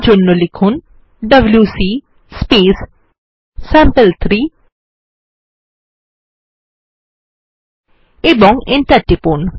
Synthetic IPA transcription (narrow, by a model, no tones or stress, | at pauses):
d͡ʒonːolikʰun | ɖɐbljusi | speːs | sɛ̃mpəlt̪ʰɾiː | ebɔŋɡenʈɐʈipon